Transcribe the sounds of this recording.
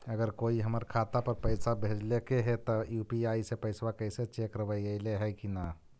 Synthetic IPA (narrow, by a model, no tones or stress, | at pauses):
əɡəɾkoiɦəməɾkʰat̪apəɾpəɪsabʱed͡ʒlekeɦet̪ɔjupiaisepəjsʋakəjset͡ʃekɾəbəjəɪleɦɛkina